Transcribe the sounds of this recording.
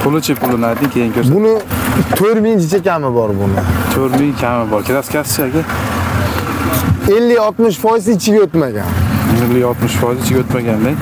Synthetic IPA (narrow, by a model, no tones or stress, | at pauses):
pʰʊlˠɪt͡ʃʰɪpʰʊlˠɪnajd̪ɪŋkʲʰejɪŋkʰʲobʊnɪt̪ʰoɾmɪŋd͡ʒɪt͡ʃʰakʲʰamɪbɒɾbʊnɪt̪ʰɵɾmɪŋkʲʰamɪbɒɾkʲʰɪɾaskʰʲasɪ̥t͡ʃʰaɡʲa | e̞lːɪɡɒt̪mɪʃfɒjɪzɪt͡ʃʰɪɡʲaot̪maɡʲa̰nɪlːɪjɒlˠt̪mɪʃfɒjɪzɪt͡ʃʰɪɡʲaot̪maɡʲand̪eŋʲ